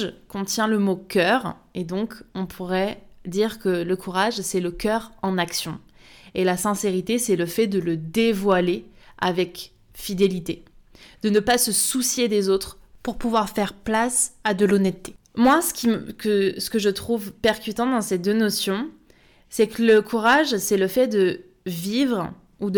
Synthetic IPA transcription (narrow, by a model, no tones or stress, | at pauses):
kɔ̃t̪jɛ̃ləmokʲʰœːʁed̪ɔ̃kɔ̃pʰuʁɛd̪iʁkələkʰuʁaʒsɛləkʲœʁɑ̃naksjɔ̃elasɛ̃seʁit̪esɛləfɛd̪ələd̪evwalea̰vɛk | fid̪elit̪ed̪̥ənəpasəsusjed̪ezot̪χpuʁpuvwaʁfɛʁplasad̪əlɔnɛt̪ːe̥ | mwasə̥kʲimkəsə̥kəʒət̪χuvpɛʁkʲyt̪ɑ̃d̪ɑ̃sed̪ønɔsjɔ̃ | sɛkləkʰuʁaʒsɛləfɛd̪ə | vivʁ | ud̪ə